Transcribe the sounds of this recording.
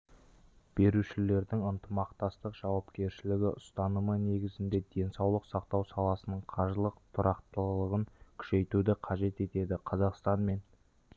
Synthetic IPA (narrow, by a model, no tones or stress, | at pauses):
b̥e̞ɾuʃɪle̞ɾd̪ɪŋənt̪əmɑqt̪ɑst̪əqʒ̥ɑwɑpkʲe̞ɾʃɪlɪɡʲɪʔʊst̪ɑnəməne̞ɡʲɪzɪnd̪e̞d̪e̞nsɑwlˠəqsɑqt̪ɑwsɑlˠɑsənəɴqʰɑɾʒəlˠəqt̪ʰʊɾɑqt̪əlˠəʁəŋkʲʰʏ̥ʃe̞jt̪ud̪ɪqʰɑʒe̞t̪e̞t̪e̞d̪ɪqʰɑzɑqst̪ɑnme̞n